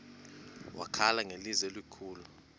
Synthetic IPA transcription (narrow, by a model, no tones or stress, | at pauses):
wʔa̰kʰalaŋelizɛlwikʰuːlu